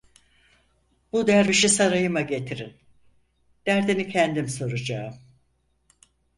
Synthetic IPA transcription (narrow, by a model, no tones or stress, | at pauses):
b̥ud̪æɾbiʃisaɾajɯmaɟe̞t̪ʰiɾin | d̪̥æɾd̪inicʰɛnd̪imso̞ɾud͡ʒaɯm